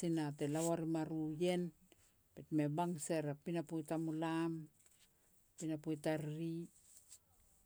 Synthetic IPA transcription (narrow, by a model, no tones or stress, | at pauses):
inatelawaɾimaɾuje̞n | petmebaŋseɾapinapojtamulam | pinapojtaɾɾi